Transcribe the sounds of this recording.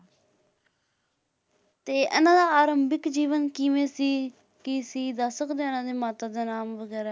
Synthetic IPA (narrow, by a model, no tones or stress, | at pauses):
t̪eːʔə̰nãːd̪aːaːɾəmbɪkd͡ʒiːʋənkiʋẽːsiː | kisiːd̪aːsəkd̪eːənãːd̪eːmaːt̪aːd̪aːnaːmʋəɡɛːɾaː